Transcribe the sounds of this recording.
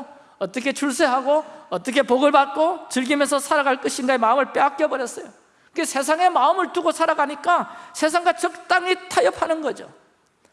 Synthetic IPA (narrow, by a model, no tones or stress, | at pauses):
ʌt͈ʌkʰe̞t͡ɕʰuɭs̬͈ʰeɦaɡoʌt͈ʌkʰe̞poɡɯɭbat̚k͈ot͡ɕɯɭɡimjʌnsʰʌsʰaɾaɡaɭk͈ɯɕʰinɡaemaɯmɯɭp͈eak͈jʌbʌɾjʌs͈ʌjo | kɯɡesʰe̞s̬ʰaŋe̞maɯmɯɭtuɡosʰaɾaɡaɲik͈asʰe̞s̬ʰaŋɡat͡ɕʌk̚t͈aŋitʰajʌpʰanɯnɡʌd͡ʑo̰